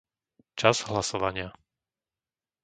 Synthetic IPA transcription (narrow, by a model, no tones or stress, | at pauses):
t͡ʃaz̥ɦlasɔʋaɲɪa